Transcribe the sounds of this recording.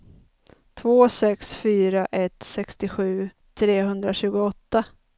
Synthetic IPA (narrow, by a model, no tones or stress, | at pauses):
t̪ʰvoːsɛksfyːɾaʔɛt̪sɛkst̪ɪɧʉ̟ː | t̪ʰɾeːɦɵnd̪ɾaɕʉ̟ːɡʊɔt̪ːa